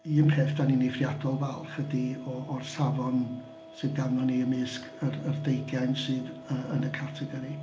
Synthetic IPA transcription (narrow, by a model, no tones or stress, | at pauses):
iːəmpʰeːfd̥aninefrjadɔlˠvɛlˠfədiɔːrsavɔn | sɨðɡavnɔniəmɨsk | ərərdejɡɛnsɨːðəənəkʰatʰɛɡɔɾi